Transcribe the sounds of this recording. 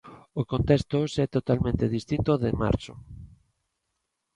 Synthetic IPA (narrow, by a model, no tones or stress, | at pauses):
okont̪ɛst̪osɛt̪ot̪almẽnt̪eðist̪int̪oðema̰ɾt͡ʃo